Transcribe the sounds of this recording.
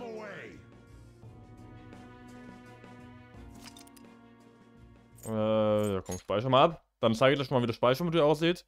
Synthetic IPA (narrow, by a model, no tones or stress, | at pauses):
əweɪ | ʔɛjaːkʰɔmʃpaɪçɐmaːlap | d̥ant͡saɪɡəlaɪçnmaːlviːdosʃpaɪçɐmɪtdiːɐʔaʊs̬z̥iːt